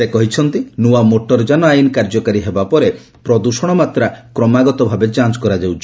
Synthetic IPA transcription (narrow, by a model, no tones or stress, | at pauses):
ekɔɦit͡ʃʰɔnt̪inuamoʈɔɾd͡ʒanɔajinkaɾd͡ʒɔkaɾiɦebapɔɾe | pɾɔd̪uʃɔɽ̃ɔmat̪ɾakɾɔmaɡɔt̪ɔbʱabet͡ʃant͡ʃɔ̥kɔɾad͡ʒawt͡ʃʰ